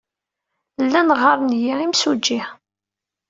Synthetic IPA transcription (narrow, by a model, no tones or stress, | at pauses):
lːænʁɑɾˤnjiʁimsud͡ʒːih